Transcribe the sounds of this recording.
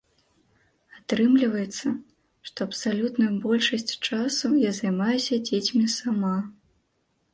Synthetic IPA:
at̪ɾɨmlʲivɐjɛt̪sːɐ | ʂt̪ɔɐpsalʲut̪nujubɔlʲʂɐsʲt͡sʲt͡ʂasujazɐjmajɛsʲɐd͡zʲet͡sʲmʲisama

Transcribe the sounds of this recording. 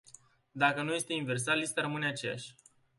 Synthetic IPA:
d̪akənuje̞st̪e̞inve̞rs̬alist̪aɾəmɨneat͡ʃe̞ja̰ʃʲ

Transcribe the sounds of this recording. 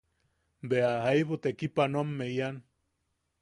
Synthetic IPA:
beaɦaiβut̪ekipanomːeian

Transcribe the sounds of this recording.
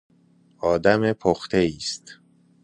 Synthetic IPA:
ɒːd̪æmepʰoxt̪ʰeiːst̪

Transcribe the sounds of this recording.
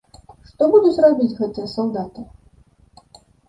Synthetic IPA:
ʂt̪ɔbud̪ut͡sʲrabʲit͡sʲɣɛt̪ɨjɐsawd̪at̪ɨ

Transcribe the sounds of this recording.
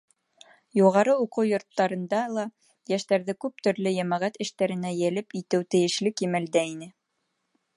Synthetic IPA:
juʁɑɾɤuqɤwjŏɾt̪ːɑɾɤ̆nd̪ɑlˠɑ | jæʃt̪æɾðɘkʉp̚t̪ɵ̆ɾlɘjæmæʁæt̪ɘ̆ʃt̪æɾɘ̆næjælɘpit̪ɘwt̪ɘ̆jɘ̆ʃlɘkimæld̪æinɘ

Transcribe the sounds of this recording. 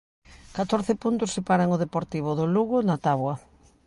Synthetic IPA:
kat̪oɾθɪpunt̪ʊsːepaɾaŋʊðepoɾt̪iβ̞ʊðʊluɣʊnat̪aβwɐ

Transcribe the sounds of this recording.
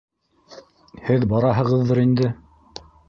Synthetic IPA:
hɘðbɑɾɑɦɤ̆ʁɤ̆ðːɤɾind̪ɘ

